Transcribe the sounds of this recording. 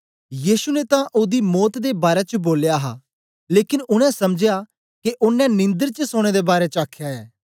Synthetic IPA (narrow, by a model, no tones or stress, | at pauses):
jiːsunet̪ãʔʊd̪imɔːt̪d̪ebaːɾɛt͡ʃəboːlejaːɦa̰ː | leːkɪnʊɽ̃ɛ̃sɐmd͡ʒɪja | keʔʊnːɛ̃nɪ̃nd̪əɾt͡ʃəsoːɽ̃ed̪ebaːɾɛt͡ʃaːkʰjaɛː